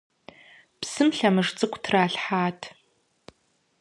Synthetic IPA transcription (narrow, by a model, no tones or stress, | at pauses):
psɨmɬamɨʐt͡sʼɨkʷʰʼtʰraːɬħaːtʰ